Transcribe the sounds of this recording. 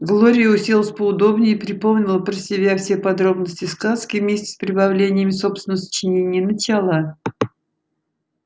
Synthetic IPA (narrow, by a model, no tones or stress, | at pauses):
ɡlˠoɾʲɪjəʊsʲilˠəsʲpəʊd̪o̞bnʲɪpɾʲɪpomˠnʲɪlˠəpɾəsʲɪbʲafsʲepɐd̪ɾo̞bnəsʲtʲɪskaskʲɪvmʲesʲtʲɪ̥spɾʲɪbavlʲenʲɪjəmʲɪso̞psvʲɪnəsə̥t͡ɕɪnʲenʲɪjənət͡ɕalˠə